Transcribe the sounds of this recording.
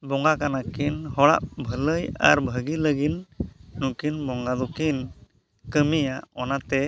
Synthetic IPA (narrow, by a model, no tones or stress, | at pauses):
bɔŋɡakanakinhɔɽa̰ʔbʱələja̰ɾbʱəɡiləɡinːukinbɔŋɡad̪ɔkin | kəmijaʔɔnat̪ɛ